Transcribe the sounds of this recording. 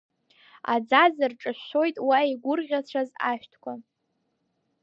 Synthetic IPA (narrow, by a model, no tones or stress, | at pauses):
a̰d͡zazɨrʈ͡ʂʼɨʃʷːo̞jtʼwaiɡʷʊrʁʲat͡ɕʷʰaza̰ʃᶣtʰkʷʰa